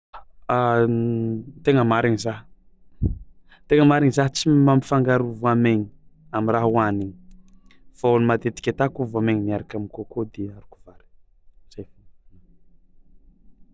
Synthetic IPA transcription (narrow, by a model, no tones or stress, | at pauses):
a | t̪eŋəmaɾiŋizaɦ | t̪eŋəmaɾiɲizaɦt͡simamifaŋɡaɾuvuameɲiamiraɦuaniɲi̥ | faonimat̪et̪i̥kʲat̪akuvameɲiniaɾakamikokod̪eaɾuku̥vaɾi̥ | z̥ajfun